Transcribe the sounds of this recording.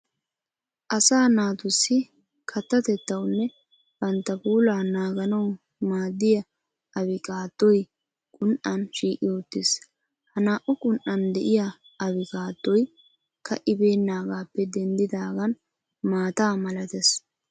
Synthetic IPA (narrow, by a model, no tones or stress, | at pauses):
ʔɐsaːnaːt̪ʊsːɪ | kʰɐt̪ːɐt̪ɛt̪ːɐwnːɛ | b̥ɐnt̪ːɐpuːlaːnaːɡɐnɐw | maːd̪ːɪjɐ | ɐβɪkʼaːt̪ːɔj | kʼʊnʔɐnʃiːkʼɪɔt̪ːɪs | hɐnaːʔʊkʼʊnʔɐnd̪ɛʔɪja | ɐβɪkʼaːt̪ːɔj | kʰɐʔɪbe̞ːnːaːɡaːpːɛd̪ɛnd̪ɪd̪aːɡɐn | maːt̪aːmɐlɐt̪ɛs